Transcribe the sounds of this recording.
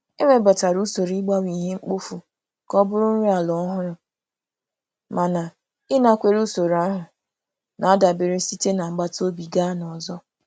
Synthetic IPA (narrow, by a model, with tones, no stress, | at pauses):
e˦ŋʷe˦ba˨ta˨ɾu˦so˨ɾi˦ɡ͡ba˦wʷi˨ɦe˦ŋ͡m̩˦k͡po˦fu˨ | kɔ˦bʊ˦ɾʊ˦ɾi˦a˨lɔ˨˦ɦʊ˦ɾʊ˨ | ma˨na˨ | ɪ˦na˦kʷe˦ɾu˦so˨ɾa˦ɦʊ˨ | na˨a˦da˨bɪ˨ɾe˦si˦te˦na˨ŋ͡m̩˨ɡ͡ba˦to˦bi˨ɡa˦nɔ˨zɔ˦